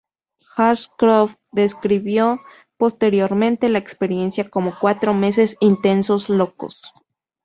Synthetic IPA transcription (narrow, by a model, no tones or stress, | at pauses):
xaskɾof | d̪eskɾiβjo | post̪e̞ɾjoɾmẽnt̪e̞laekspeɾje̞nsjakomokwat̪ɾome̞se̞sint̪e̞nsosloko̰s